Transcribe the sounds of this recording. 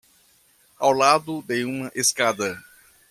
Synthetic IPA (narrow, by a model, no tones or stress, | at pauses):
awlad̪ʊd̪ejũmɐʔeskad̪ɐ